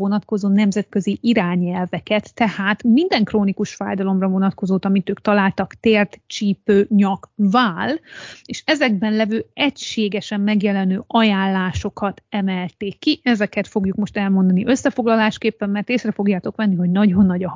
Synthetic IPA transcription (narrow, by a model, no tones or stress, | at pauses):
onɒt̪ko̞zoːnɛmzɛt̪kø̞ziʔiɾaːɲɛlvɛkɛt̪ːɛhaːt̪mind̪ɛŋkroːnikuʃfa̰ːjd̪ɒlo̞mrɒvo̞nɒt̪ko̞zoːt̪ɒmit̪øːkt̪ɒlaːlt̪ɒkt̪eːrt̪t͡ʃiːpøːɲɒkvaːleːʃɛzɛɡ̚bɛnlɛvøːɛcʃeːɡɛʃɛmːɛɡjɛlɛnøːʔɒjaːlːaːʃo̞kɒt̪ɛmɛlt̪eːkːiʔɛzɛkɛt̪fo̞ɡjukmo̞ʃt̪ɛlmo̞nd̪ɒniʔø̞sːɛfo̞ɡlɒlaːʃkeːpːɛmːɛrt̪eːsrɛfo̞ɡjaːt̪o̞kʋɛnːiɦo̞ɟnɒɟo̞nːɒɟɒ